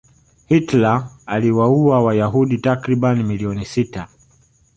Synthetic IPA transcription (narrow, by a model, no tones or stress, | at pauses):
hitlaaliwauawajaɦuɗitakɾiɓanimiliɔnisita